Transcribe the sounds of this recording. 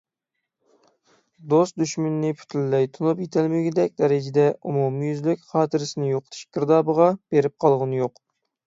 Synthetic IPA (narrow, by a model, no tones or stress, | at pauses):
d̪ost̪̚d̪yʃmynːɪpʰy̥t̪ʰylːɛjt̪ʰunupjet̪ʰɪlmɪɡʲɪd̪ɛk̚ʲd̪ɛɾɪd͡ʒɪd̪ɛumumɨjyzlykʲχɑːt̪ʰɨɾɪsɪnɪjoqʰə̥t̪ʰɨ̥ʃɡ̥ʲəɾd̪ɑːbəʁɑb̥eɾɪp̚qʰɑlˠʁənjoq